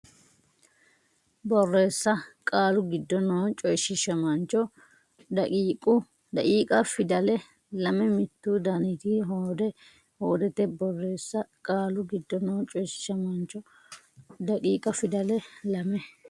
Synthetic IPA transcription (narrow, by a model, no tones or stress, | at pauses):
bɔrːe̞ːsːɐkʼaːlʊɡɪd̪ːɔnoːt͡ʃʼɔjʃɪʃɐmɐnt͡ʃːɔ | d̪ɐiːkʼʊ | d̪ɐkʼiːkʼɐfɪd̪ɐlɛ | lɐmɛmɪt̪ːud̪ɐnɪt̪iɦoːd̪ɛ | hoːd̪ɛt̪ɛbɔrːe̞ːsːɐkʼaːlʊɡɪd̪ːɔnoːt͡ʃʼɔjʃɪ̥ʃɐmɐnt͡ʃːɔ | d̪ɐkʼiːkʼɐfɪd̪ɐlɛlɐmɛ